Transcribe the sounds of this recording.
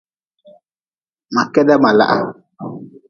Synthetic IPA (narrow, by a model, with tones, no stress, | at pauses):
ma˨kɛ˦da˦ma˨la̰˦ʔa̰˦